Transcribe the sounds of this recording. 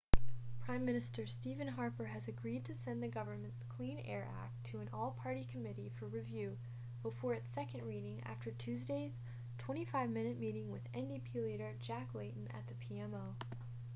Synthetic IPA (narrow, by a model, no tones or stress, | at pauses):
pʰɹ̥ãɪ̃mːɪ̃ñɨstə˞stivɨ̃nɦɑɹpə˞ɨzɨɡɹid̚tʰɨsɛ̃nðɨɡʌvə˞mɨ̃nkʰl̥ĩnɛ̰ɹʔæ̰k̚tʰɨɨ̃nʔɔlˠpʰɑɹɾikʰɨmɪɾifə˞ɹivjʉ | b̥əfɔɹɨtsɛkɨ̃ndɹiɾɪ̃ŋæ̰ftʰə˞tʰʉzdeɪz̥ | tʰw̥ɛ̃ɾ̃ifaɪvmɪ̃ñɨt̚miɾɪ̃ŋwɨzɛ̃ndipʰilˠiɨɾə˞d͡ʒæklẽɪʔn̩ɨ̰t̪̚ðɨpʰiɛ̃moʊ